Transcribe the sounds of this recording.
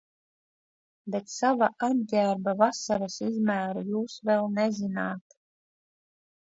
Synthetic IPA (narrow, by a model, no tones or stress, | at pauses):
bet̪savaʔad̪̚ɡʲæːɾbavasaɾasizmæːɾujuːsvɛlˠnɛzinaːt̪